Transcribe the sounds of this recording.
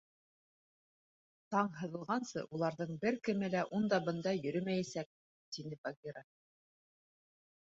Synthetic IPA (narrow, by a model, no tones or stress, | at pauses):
t̪ɑɴɦɤ̆ðɤ̆lˠʁɑnsɤ̰ʔulˠɑɾðɤɴbɘɾkɘ̆mɘlæʔund̪ɑbɤ̆nd̪ɑjɵ̆ɾɵmæjæsæk̚ | t̪inɘbaɡʲiɾa